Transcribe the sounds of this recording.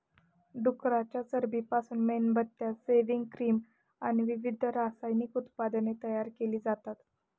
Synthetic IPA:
ɖukɾat͡ɕjasəɾbʱiːpasuːnmenbət̪ːjaseʋiŋɡkɾiːm | añiʋiʋid̪ʱəɾasajnikut̪pad̪ənet̪əjaɾkeliːd͡zat̪at̪

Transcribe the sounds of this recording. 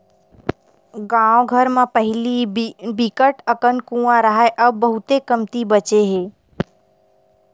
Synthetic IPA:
ɡãːõɡʱəɾmãpəɦɪlibikəʈəkənkũːãɾəɦaeʔɐbːɐɦʊt̪ekəmt̪ibət͡ʃeɦẽː

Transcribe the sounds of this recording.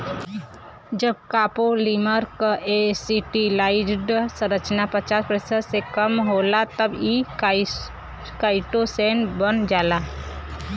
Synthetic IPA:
d͡ʒəb̚kaːpoliməɾkesiʈilaɪɖɖsə̃ɾət͡ʃnapət͡ʃaːspɾesəsekəmɦolat̪əbi | kaɪʈoseːnbənd͡ʒaːla

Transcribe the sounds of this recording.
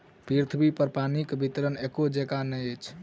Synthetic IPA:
piɾt̪ʰbipəɾpanikbʱit̪ɾənekod͡ʒekanəjət͡ʃʰ

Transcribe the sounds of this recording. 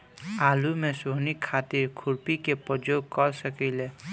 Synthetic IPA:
alumesoɦnikʰːat̪iɾkʰuɾpikepəd͡ʒoɡ̚kɔɾsəkɛle

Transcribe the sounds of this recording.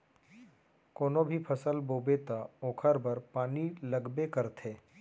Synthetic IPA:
koːnobʱipʰəsəlboːbet̪aoːkʰəɾbəɾpaːnilɐɡbekɐɾt̪ʰeː

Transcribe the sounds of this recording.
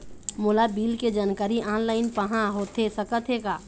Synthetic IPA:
moːlabiːlked͡ʒaːnkaːɾiʔaːnlaːɪnpəɦãɦot̪ʰesəkət̪ʰɦekaː

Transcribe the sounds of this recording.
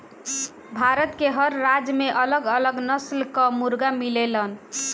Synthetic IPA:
bʱaɾət̪keɦəɾːad͡ʒmeʔələɡələɡnəslkəmuɾɡamilelən

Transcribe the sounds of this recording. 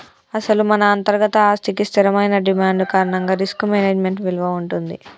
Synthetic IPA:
ɐsɐlumɐnɐːnt̪ɐɾɡɐt̪ɐaːst̪ikist̪ʰiɾɐmɐjnɐɖimaːɳɖkaːɾɐɳɐŋɡaːɾiskumeːneːd͡ʒme̞ɳʈʋilʋɐuɳʈund̪i

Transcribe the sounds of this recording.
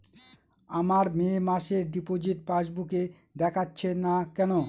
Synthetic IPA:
amaɾmeːmaʃeɾɖipod͡ʑiʈpaʃbuke | d̪ɛkʰatːɕʰenakɛno

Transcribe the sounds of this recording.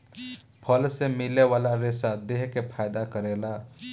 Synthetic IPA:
pʰəlsemɪleʋaːlaɾɪsad̪eɦkepʰaːjd̪akəɾeːlaː

